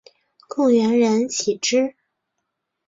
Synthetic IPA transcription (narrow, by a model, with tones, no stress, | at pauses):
kɤ˥˩ŋɥɛ˧˥nɻə˧˥nt͡ɕʰi˨˩ʈ͡ʂɻ̩˥